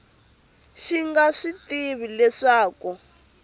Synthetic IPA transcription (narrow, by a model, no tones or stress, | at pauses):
ʃiŋɡaʂitiβilɛʂaːku